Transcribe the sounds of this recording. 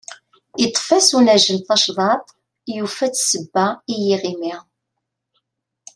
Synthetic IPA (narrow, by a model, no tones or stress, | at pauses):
it̪ˤːfæsunæʒəlθɑʃðˤɑt̪ˤ | jufæt͡sːsəbːæijiʁimiʁ